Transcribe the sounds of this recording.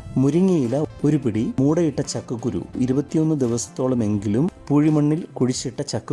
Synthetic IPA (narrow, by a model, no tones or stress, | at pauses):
muɾiŋːɐjilɐo̞ɾupiɽimuːɽɐjiʈːɐt͡ɕɐkːɐkːuɾṵiɾubɐt̪ːijo̞nːɨd̪iʋɐsɐ̥t̪ːo̞ːɭɐme̞ŋɡilumpuːɻimɐɳːilkuɻit͡ɕːiʈːɐt͡ɕɐkːɐ